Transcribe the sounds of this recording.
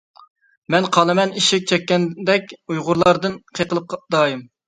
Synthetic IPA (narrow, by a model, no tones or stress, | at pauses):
mɛnqʰɑlˠɨmɛniʃɪk̚ʲt͡ʃʰɛkʲːɛnd̪ɛkʲujʁʊɾlˠɑɾd̪ɨnqʰeqʰəlˠɨp̚qd̪̥ɑːjim